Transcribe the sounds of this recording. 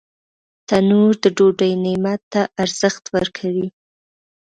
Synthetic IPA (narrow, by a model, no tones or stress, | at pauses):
t̪anuɾd̪əɖoɖəjnemat̪ːaʔaɾz̥əxt̪wəɾkʰawi